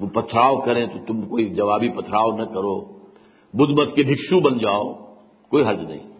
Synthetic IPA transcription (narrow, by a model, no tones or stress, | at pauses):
pɐt̪ʰɾaːʋokɐɾẽt̪ot̪ʊmkoːid͡ʒɐʋaːbipɐt̪ʰɾaːonɐkɐɾoː | bʊd̪ʱmɐt̪kebʱɪkʃũɓɐnd͡ʑaːo | koːiɦɐɾd͡ʒnɐ̰ḭ̃ː